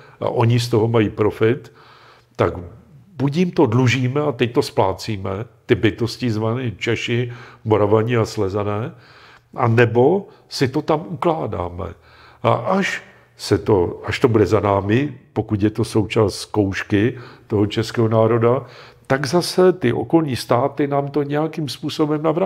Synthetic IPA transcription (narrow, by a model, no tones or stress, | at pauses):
ʔa̰ʔo̞ɲɪs̬t̪o̞ɦo̞majiːpɾo̞fɪt̪ː | aɡbucjɪmt̪o̞dluʒiːmɛat̪ɛc̚t̪o̞splaːt͡siːmɛt̪ɪbɪt̪o̞scɪzvaniːt͡ʃɛʃɪmoɾavaɲiaslɛzanɛː | ʔanɛbo̞ | sɪt̪o̞t̪amʔuklaːda̰ːmɛ̰ | ʔa̰ʔaʃ | sɛt̪oaʃt̪o̞budɛzanaːmɪpo̞kuc̪jɛt̪o̞sowt͡ʃaːst̪sko̞wʃkɪt̪o̞ɦot͡ʃɛskɛːɦonaːɾo̞dat̪aɡzasɛt̪ɪʔo̰ko̞lɲiːst̪aːt̪ɪnaːmt̪oɲɛjakimspuːso̞bɛmnavɾa